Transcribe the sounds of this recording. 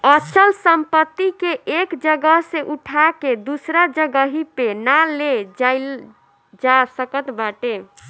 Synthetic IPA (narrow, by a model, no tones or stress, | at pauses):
ət͡ʃʰəlsəmpət̪ːikeʔekd͡ʒəɡəɦsẽʔuʈʰaked̪usɾad͡ʒəɡəɦipenaled͡ʒaɪl | d͡ʒasəkət̪baʈe